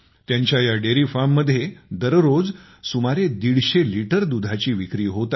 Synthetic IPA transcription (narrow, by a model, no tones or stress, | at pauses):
t̪jaɲt͡ɕjajaɖeɾifamːəd̪ʱːjed̪əɾɾod͡z | sumaɾed̪iɽɕeliʈəɾd̪ud̪ʱat͡ɕiːʋikɾiːɦot̪a